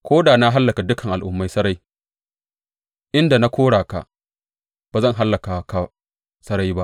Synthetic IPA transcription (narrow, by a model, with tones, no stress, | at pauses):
kʷʰoː˦daː˨na˦ɦa˦lːɐ˨ka˨dʊ˦kʰɐ˨ŋʔa˨lʔʊ˨mːa˦jsɐ˦ɾa˦j | ʔɪ˦nda˨na˦kʷoː˦ɽaː˨ka̰˨ | b̥aː˨zɐ˦˨ŋɦa˦lːɐ˨ka˨˦ka˨ | sɐ˦ɾa˦jba˦ʔ